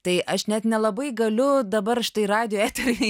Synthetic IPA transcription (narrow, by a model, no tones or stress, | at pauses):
t̪ɐɪʔɐʃnʲɛt̪nʲɛlˠɐbɐɪɡɐlʲʊd̪ɐbɐrʃʲɪ̥t̪ɐɪrɑːd̪ʲɪjoːæːt̪ʲɛɾʲi